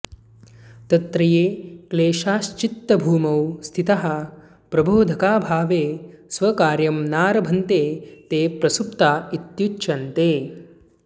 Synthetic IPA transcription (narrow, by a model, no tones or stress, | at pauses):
t̪ɐt̪ɾɐjeːkleːʃaːʃt͡ʃit̪ːɐbʱuːmɐwst̪ʰit̪ɐɦɐ̆ | pɾɐboːd̪ʱɐkaːbʱaːʋeːsʋɐkaːɾjɐmnaːɾɐbʱɐnt̪eːt̪eːpɾɐsup̚t̪aːit̪jut͡ʃːʃɐnt̪eː